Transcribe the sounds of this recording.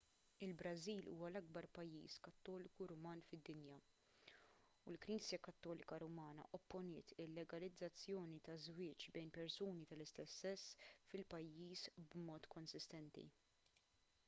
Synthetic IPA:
ɪlbɾɐziːlʔṵːwɐlɐɡ̚bɐɾpɐjːḭːskɐt̪ːɔːlɪkuɾʊmɐːnfɪd̪ːɪnjɐ | ulkɾiːsjɐkɐt̪ːɔːlɪkɐɾʊmɐːnɐ̰ʔɔpːɔnɪːt̪ɪlːɛɡɐlɪd͡zːɐt͡sːjɔːnit̪ɐzwɪːt͡ʃbɛjnpɛɾsuːnit̪ɐlɪst̪ɛsːɛsːfɪlpɐjːiːsbmɔːt̪kɔnsɪst̪ɛnt̪ḭ

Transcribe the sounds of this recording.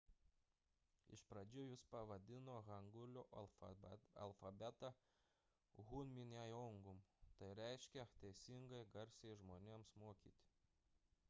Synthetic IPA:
ɪ̰ʃpɾɐd͡ʒʲʊjʊspɐʋɐd̪ʲɪnoːɣɐŋɡʊlʲʊʔ | ɐ̰lˠfɐbʲɛt̪ɐ | ɣunʲmʲɪnʲæjɔŋɡʊmt̪ɐɪɾʲɛˑɪʃʲkʲɛt̪ʲɛɪsʲɪŋɡɐɪɡɐɾʲsʲɛɪʒmoːnʲeːmsmuɔkʲiːt̪ʲ

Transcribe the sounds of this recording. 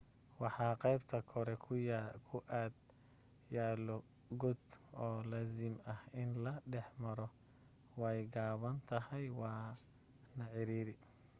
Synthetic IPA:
wɑħɑːqɛjbt̪ʰɐkʰɔɾɛkʰʊjkʰʊʔaːd̪ | jaːlɔ | ɡɔd̪ɔːlaːzɪmɐhɪnlɐɖɛħmɐɾɔ | wɛjɡaːβɐnt̪ʰɐɦɛjwɑː | nɐʕɪɾiːɾɪ

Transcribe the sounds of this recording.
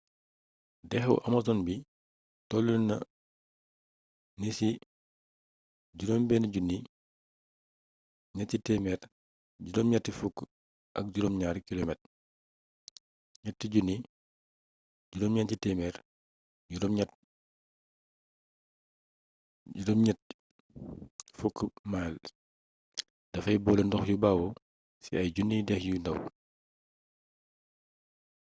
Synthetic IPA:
dɛxɛwʔamazɔnbi | tɔlːunnɐ̰ | nisi | ɟuɾombɛːnaɟunːi | ɲatːitɛmɛːɾ | ɟuɾɔmɲatːifukː | ʔɐ̰k̚ɟuɾɔmɲaːɾkilomɛt̚ | ɲatːiɟunːi | ɟuɾɔmɲɛncitɛmɛɾ | ɟuɾɔmɲat̚ | ɟuɾɔmɲɛt̚ | fukːmal | d̥ɐfɐjbɔːlɛndɔxjubaːwɔ | sḭɐjɟunːidɛxjundɐ̰w

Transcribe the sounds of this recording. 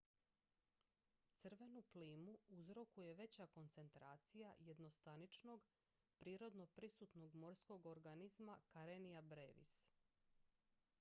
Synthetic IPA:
t̪sɨrʋe̞nupliːmuuzɾo̞kuje̞ʋe̞t͡ɕako̞nt̪se̞nt̪ɾaːt̪sijaje̞d̪no̞st̪anit͡ʃno̞ɡ | pɾiːɾo̞d̪no̞pɾisuːt̪no̞ɡmo̞ɾsko̞ɡoɾɡanizmakaɾenijabɾeːʋḭs

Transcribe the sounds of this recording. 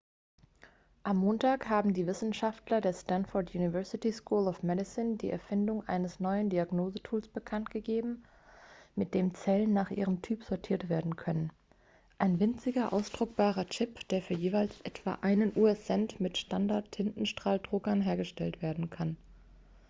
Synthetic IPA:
ʔamːoːntʰaːkhaːbm̩diːvɪsn̩ʃaftlɐdeːɐstanfɔɐtʰjuːnivɛɐsɪtiskʰuːlɔfmɛdɪsɪndḭːʔɛ̰ɐfɪndʊŋʔa̰ɪnəsnɔʏəndiaɡnoːzətʰuːlsb̥əkʰantɡ̥əɡeːbm̩ | mɪt̚d̥eːmt͡sɛlənːaːχʔḭːʁəmtʰyːpz̥ɔɐtʰiːɐtv̥eːɐdn̩kʰœnən | ʔaɪnvɪnt͡sɪɡɐʔa̰ʊsd̥ʁʊk̚b̥aːʁɐt͡ʃɪpd̥eːɐfyːɐjeːvaɪlsʔɛtv̥a̰ːʔaɪnənʔuːɛsɛntmɪtʃtandaɐtʰːɪntn̩ʃtʁ̥aːldʁʊɡɐnɦeːɐɡəʃtɛltv̥eːɐdn̩kʰan

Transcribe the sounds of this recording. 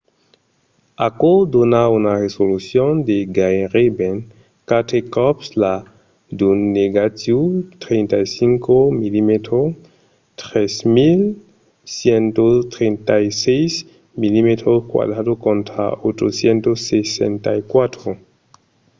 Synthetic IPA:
akod̪onaunaresolusjond̪eɡajɾiben | kat̪ekɔpsla | d̪unːeɡat̪jut̪ɾent̪ajsiŋkomilimet̪ɾo | t̪ɾesmil | sjent̪ot̪ɾent̪ajsejs | milimet̪ɾoskwa̰dɾadokont̪ɾa̰ot͡ʃosjent̪osːesḛnt̪ajkwat̪ɾo

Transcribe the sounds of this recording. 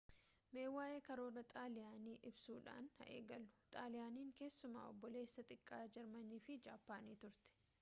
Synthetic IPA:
me̞ːwːaːʔeːkɐɾo̞ːrɐt̪ʼaːlɪjaːniːʔɪbsuːᶑa̰ːnhɐ̰ʔeːɡɐlːʊ̥t̪ʼaːlɪjaːniːŋke̞ːsːʊma̰ːɔbːɔle̞ːsːɐt̪ʼɪkʼːaːd͡ʒɐɾmɐniːfɪd͡ʒaːpːaːniːt̪ʊɾt̪ɛ̥

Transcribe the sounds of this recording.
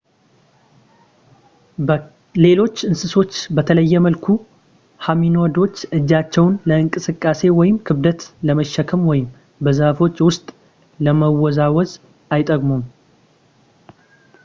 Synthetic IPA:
le̞lo̞t͡ʃːɨnsɨso̞t͡ʃːbət̪ʰələjːɛməlkʰu | haminod̪o̞t͡ʃːɨd͡ʒːat͡ʃːɛwnləɨŋkʼɨsɨkʼːase̞wɔjɪmkʰɨβd̪ət̪ləməʃːɛkʰəmwɔjɪm | bəzəhfo̞t͡ʃːwʊst̪ʼ | ləməwɔzawɔz | ajt̪ʼəkʼmom

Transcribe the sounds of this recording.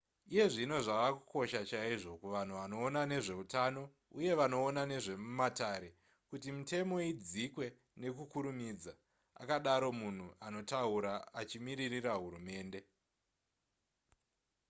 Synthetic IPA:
ije̞ʐino̞ʐaʋaku̥ko̞ʃat͡ʃaiʐo̞kuʋan̤uʋano̞ːnane̞ʐe̞utano̞ | uje̞ʋano̞ːnane̞ʐe̞mumataːɾe̞ | kutimite̞mo̞id͡zikwe̞ | ne̞kukuɾumid͡za | a̰kaɗaɾo̞mun̤uano̞tauɾaːt͡ʃimiɾiriraɦuɾume̞ːnde̞

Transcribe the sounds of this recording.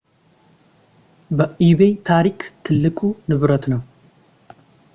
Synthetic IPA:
bəʔiβet̪ʰaɾikt̪ʰɨlːɨkʼunɨβɾət̪nəw

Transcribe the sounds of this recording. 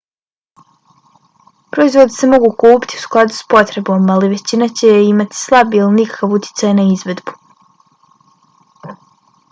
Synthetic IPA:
pɾo̞izʋo̞d̪ese̞mo̞ɡukuːpi̥t̪iu̥sklˠad̪u̥spo̞t̪ɾe̞bo̞maliʋe̞t͡ɕinat͡ɕe̞imat̪i̥slˠabielinikḁkaʋut̪ʰʲjɪ̥t̪sajnaizʋe̞d̪bu̥

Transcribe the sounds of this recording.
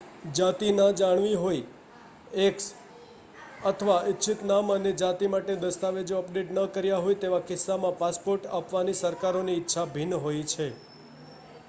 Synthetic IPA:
d͡ʒat̪inəd͡ʒaɳ̃ʋiɦoj | eks | ət̪ʰəʋaɪtːʃʰɪt̪naməned͡ʒat̪imaʈed̪əst̪aʋed͡ʒoəpɖeʈnəkəɾjaɦojt̪eʋakɪsːamãpaspoɾʈapʋanisəɾkaɾoniːtːʃʰabʱinɦojt͡ʃʰe

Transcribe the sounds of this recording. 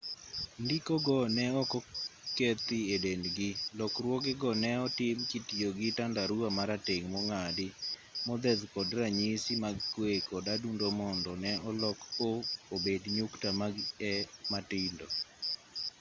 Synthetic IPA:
ndikɔɡɔnɛɔkɔket̪ɪedendɡɪlɔkrwɔɡɪɡɔnɛɔtɪmkitijoɡɪtandaɾuamaɾateŋmɔŋadɪmɔd̪ɛðkɔdraɲisimaɡkwekɔdadundomɔndɔnɛɔlɔkoobedɲʊktamaɡɛmatɪndo

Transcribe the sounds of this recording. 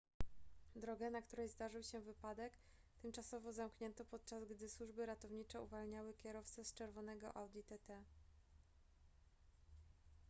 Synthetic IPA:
d̪ɾɔɡɛnakt̪uɾɛjzd̪aʐɘwɕɛvɘpad̪ɛk | t̪ɛmt͡ʂasɔvɔzamkɲɛnt̪ɔpɔt̪̚t͡ʂazɡd̪ɘswuʐbɘɾat̪ɔvɲit͡ʂɛuvalɲawɘkʲɛɾɔft̪sɛst͡ʂɛɾvɔnɛɡɔ̰ʔawd̪ʲit̪ɛt̪ɛ

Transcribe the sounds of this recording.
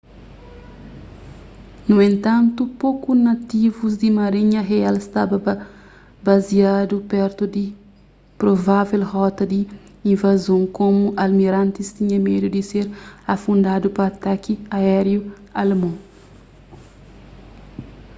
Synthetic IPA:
nũẽnt̪ɐ̃nt̪upokunɐt̪ivuzd̪imɐɾiɲɐɦealst̪abɐ | baziad̪upɛɾt̪ud̪i | pɾovavelhɔt̪ɐd̪i | ĩnvazõŋkomuʔɐlmiɾãnt̪ist̪iɲɐmed̪ud̪iseɾɐfũnd̪ad̪upɐːt̪akiaɛɾju | ɐlmõ

